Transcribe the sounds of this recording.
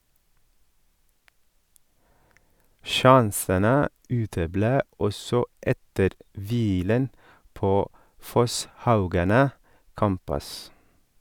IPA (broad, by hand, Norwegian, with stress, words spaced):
ˈʃɑnsənə ˈʉːtəˌbleː ˈɔsɔ ˈʔɛtəɾ ˈʋiːlən ˈpoː ˈfɔsˌhɑʉɡɑnə ˈkæmpʉs